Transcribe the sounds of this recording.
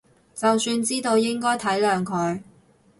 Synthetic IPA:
t͡sɐ˨wsyː˧nt͡siː˥t̪o˧wjɪ˥ŋkɔː˥jt̪ʰɐ˨˥jlœː˨˧ŋkʰɵ˨˧ɥ

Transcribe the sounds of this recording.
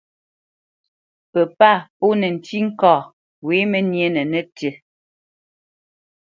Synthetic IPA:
pə˨pa˦˨po˦nɛ˨n̩˨ti˦ŋ̩˦kɔː˨ | we˨˦mɛ˨nje˦nɛ˨nɛ˦tə˨

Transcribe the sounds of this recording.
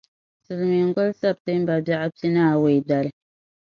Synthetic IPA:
sɨ˨lmi˨ŋ˦ɡɔ˦lsa˦˨b̚tɨ˦m˦ba˨ba˦ʔa˦ti˦naː˦˨we˨jda˨lɨ˦

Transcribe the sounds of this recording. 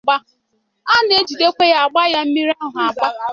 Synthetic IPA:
ɡ͡ba˦ | a˦ne˦d͡ʒi˨de˦kʷe˦ja˨a˨ɡ͡ba˦ja˦m̩˦mi˦ɾa˦ɦʊ˨a˨ɡ͡ba˦

